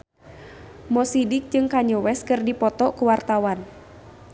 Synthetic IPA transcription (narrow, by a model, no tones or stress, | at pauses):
mɔsidɪk̚d͡ʒɨŋkaɲɔwɛskɨrdipɔt̪ɔkuwart̪awan